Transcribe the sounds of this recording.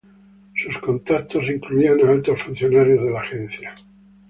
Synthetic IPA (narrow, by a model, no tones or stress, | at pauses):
suskont̪at̪ːosiŋkluianalt̪oasfun̟θjonaɾjozðelaxɛnθja